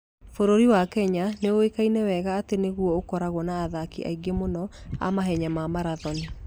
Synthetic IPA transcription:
foɾoɾiwakɛɲaneowekainɛwɛɣaːteneɣwɔokɔɾaɣwɔnaːðakḭʔa̰iɡemonɔa̰maɦɛɲamamaɾaðɔni

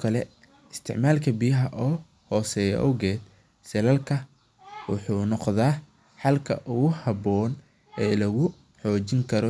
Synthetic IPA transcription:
kʰɐlɛ | ɪst̪ʰɪ̰ʕmaːlkʰɐbijɐɦɐʔɔː | hɔːsɛːjɐ̰ʔɔwɣɛːd̪ | sɛlɐlkʰɐ | wʊħuːnɔqðaː | ħɑlkʰɐ̰ʔʊɣʊhɑbɔːn | ɛːlɐɣʊ | ħɔːt͡ʃɪŋkʰɐɾɔ

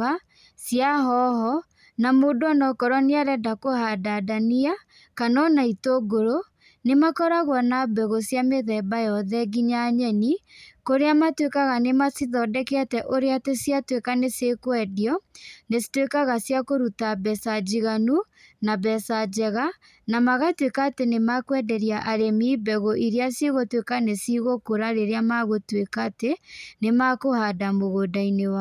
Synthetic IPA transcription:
a | sjaɦɔɦɔ | namodoanɔkɔɾwɔneaɾɛdakohadadania | kanɔnaitoɡoɾo | nemakɔɾaɣwɔnabɛɣosjameðɛbajɔðɛɡiɲaɲɛnikoɾeamatwekaɣanemasiðɔdɛkeatɛʔoɾeatesiatwekanesekwɛdiɔnesi̥twekaɣasjakoɾutabɛsad͡ʑiɣanu | nabɛsad͡ʑɛɣa | namaɣatwekaːtenemakwɛdɛɾjaʔaɾemiːbɛɣoʔiɾeasjeɣotwekanesiɣokoɾaɾeɾeamaɣotwekatenemakohadamoɣodainewa

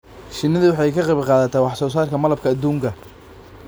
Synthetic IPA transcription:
ʃɪnːɐðʊwɑħɑjkʰɐqɛβqɑːðɐt̪ʰaːwɑħsɔːs̬aːrkʰɐmɐlɐb̚kʰɐːd̪uːŋkʰɐ

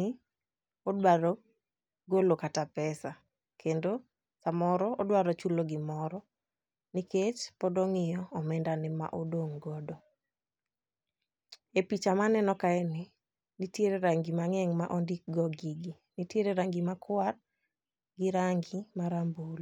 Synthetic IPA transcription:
odwaɾɔ | ɡolokatapɛsa | kʰendo | samɔɾɔɔdwaɾɔt͡ʃuloɡɪmɔɾɔ | niket͡ʃpɔdɔŋɪjɔɔmɛndanɪma̰ʔodoŋɡɔdɔ | epit͡ʃamanɛnɔkaɛnɪ | nitjeɾeɾaŋɡimaŋɛŋmaʔɔndik̚ɡɔɡiɡi | nitjeɾeɾaŋɡimakʰwaɾ | ɡɪɾaŋɡimaɾambol

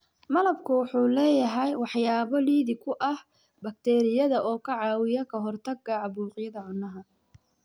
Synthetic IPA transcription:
mɐlɐbkʰʊwɑħuːlɛːjɐɦɛjwɑħjaːβɔliːðɪkʰʊʔɐh | bɐk̚t̪ʰɛːɾɪjɐðɐʔɔːkʰɐʕɑːwɪjɐkʰɐɦɔrt̪ʰɐɡɐʕɑβuːqjɐðɐʕʊnːɐɦɐ

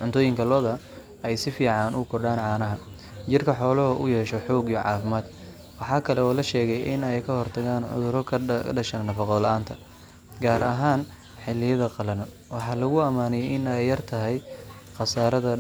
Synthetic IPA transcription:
ʕʊnt̪ʰɔːjɪŋkʰɐlɔːðɐ | ɛjsɪfiːʕɑnʔʊkʰɔɖaːnʕɑːnɐɦɐ | t͡ʃɪrkʰɐħɔːlɐɦɔʔʊjɛːʃɔħɔːɡijʕɑ̰ːfɪmaːd̪ | wɑħɑːkʰɐlɛɔːlɐʃɛːɣɛjʔɪnɛjkʰɐhɔrt̪ʰɐɣaːnʕʊ̰ðʊɾɔɖɐʃɐnnɐfɑqɔðlɐʔaːnt̪ʰɐ | ɡaːɾɐɦaːn | ħɪlːɪjɐðɐqɑlɐnɐ | wɑħɑːlɐɣʊɐmaːnɛjʔɪnɛjːɐrt̪ʰɐɦɛj | qɑsaːɾɐðɐ

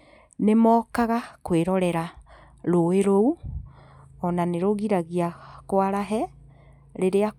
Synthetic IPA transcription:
nemɔːkaɣakweɾɔɾɛɾa | ɾoeɾou | ɔnaneɾoɣiɾaɣiakwaɾaɦɛ | ɾeɾea

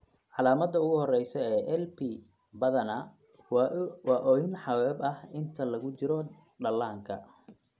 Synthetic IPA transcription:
ʕɑlaːmɐd̪ɐʊɣʊhɔrɛjsɔɛːʔɛlpi | bɐðɐnɐ | wɑːʔɔːjɪnħɑwɛːbɐhɪnt̪ʰɐlɐɣʊt͡ʃɪɾɔ | ɖɐlːaːŋkʰɐ̰

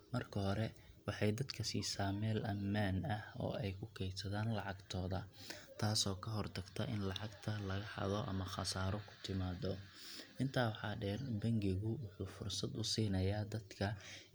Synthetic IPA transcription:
mɐrkʰɐhɔɾɛwɑħɑjd̪ɐd̪kʰɐsiːsaːmɛːlʔɐmːaːnɐhɔ̰ːɛjkʰʊkʰɛːjsɐðaːnlɑʕɑɡt̪ʰɔːðɐ̰t̪ʰaːsɔːkʰɐɦɔrt̪ʰɐɡt̪ʰɐʔɪ̰nlɑʕɑɡt̪ʰɐlɐɣɐħɑ̰ðɔʔɐ̰mɐχɐsaːɾɔkʰʊ̥t̪ʰɪmaːðɔ | ʔɪnt̪ʰaːwħɑːɖɛːrbɐŋɡɪɣʊwʊħuːfʊrsɐd̪ʊsiːnɐjaːd̪ɐd̪kʰɐ

